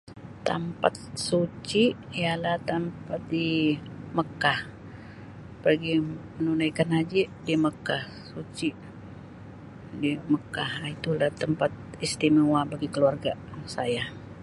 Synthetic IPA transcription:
t̪əmpa̰t̪̚sut͡ʃiijalaht̪ampat̪̚di | məkah | pərɡimənunajkanad͡ʒidiməkah | sut͡ʃi | diməkahit̪ulaht̪əmpat̪̚ | ist̪imiwabaɡikəluarɡasaja

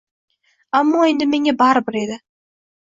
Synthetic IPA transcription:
amːɒe̞nd̪ɪme̞ŋabaɾbɪɾe̞d̪ɪ

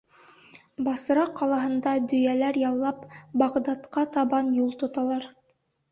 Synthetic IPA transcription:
bɑsɤ̆ɾɑqɑlˠɑɦɤ̆nd̪ɑd̪ɵ̆jælæɾjɑlˠːɑpbɑʁd̪ɑt̪qɑt̪ɑβɑnjulˠt̪ŏt̪ɑlˠɑɾ

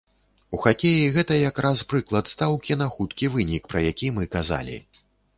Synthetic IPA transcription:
uxakʲejiɣɛt̪ɐjakɾʔaspɾɨklˠɐt̪st̪awkʲinɐxut̪kʲivɨnʲikpɾɐjakʲimɨkaza̰lʲḭ

